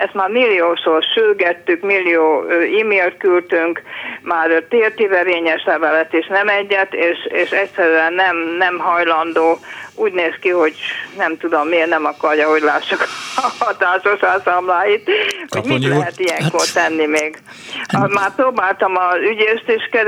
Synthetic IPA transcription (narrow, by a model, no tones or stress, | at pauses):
ɛst̪maːrmilːijoːʃorʃyrɡɛt̪ːykmilːijoːøːiːmeːlt̪̚kylt̪yŋkmaːrt̪eːrt̪iɾɛveːɲɛʃlɛvɛlɛt̪eːʃnɛmɛɟːɛt̪eːʃeːʃɛcʲsɛɾyɛnːɛmnɛmɦɒjlɒnd̪oːuːɟneːskiho̞ɟnɛmt̪ud̪omːieːrnɛmɒkɒrjɒɦo̞ɟlaːʃːukɒt̪aːʃoʃasamlaːjit̪hoɟmit̪lɛɦɛt̪ijɛŋkort̪ɛnːimeːɡ | maːrproːbaːlt̪ɒmɒzyɟeːʃt̪iʃkɛ